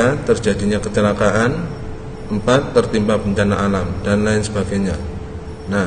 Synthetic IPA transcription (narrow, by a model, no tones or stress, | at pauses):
at̪ərd͡ʒadiɲakət͡ʃəlakaʔan | ʔəmpat̪ːərt̪impahb̥əɲt͡ʃanaʔalamd̥anlaɪnsəbaɡ̥ajɲa | na